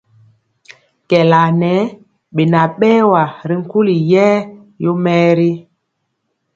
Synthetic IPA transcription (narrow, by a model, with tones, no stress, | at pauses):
kɛ˨la˨nɛ˨˦ | ɓe˨na˨ɓɛː˦wa˨ɾi˨ŋ̩˦ku˦li˨jɛː˦ | jo˦mɛ˦ɾi˦